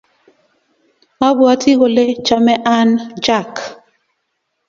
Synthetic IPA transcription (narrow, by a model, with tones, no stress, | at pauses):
a˦bwa˦tʰi˦ɣo˨le˦t͡ʃa˦mɛ˦ʔa˦nd͡ʒa˦˨k